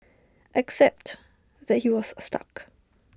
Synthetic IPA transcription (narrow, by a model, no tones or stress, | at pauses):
ʔɛksɛp̚t | ðɛt̚hiwɔsstʰa̰k